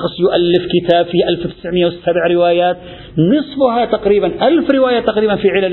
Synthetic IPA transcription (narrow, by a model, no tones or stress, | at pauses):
qsˤjʊʔalːɪfkɪt̪aːbfiːʔalfwt̪ɪ̥sʕmɪjːawɪsabʕɾɪwaːjaːt̪ | nɨsˤbʊɦat̪aqɾiːbanʔalfɾɪwaːjat̪ɑqɾiːbanfiʕɪlal